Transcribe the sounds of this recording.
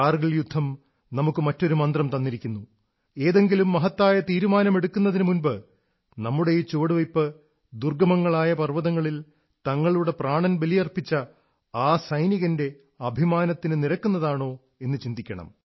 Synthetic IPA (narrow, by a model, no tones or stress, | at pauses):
aːrɣiɭjud̪ʱːɐm | nɐmukːɨmɐtːo̞ɾumɐnd̪rɐmt̪ɐnːiɾikʲːunːu | e̞ːðe̞ŋɡilumːɐɦɐt̪ːaːjɐt̪iːɾumaːnɐme̞ɽukːunːɐðinɨmunbɨ | nɐmːuɽe̞jt͡ɕːoːɽɨʋɐjpːɨ | d̪urɡɐmɐŋːɐɭaːjɐpɐrʋɐðɐŋːɐɭil | t̪ɐŋːɐɭuɽe̞praːɳɐnbelijɐrpit͡ɕːɐ | aːsɐjniɣɐnde̞ | ɐbʱimaːnɐt̪ːinɨniɾɐkːunːɐðaːɳo̞ː | e̞nːɨt͡ɕind̪ikʲːɐɳɐ̰m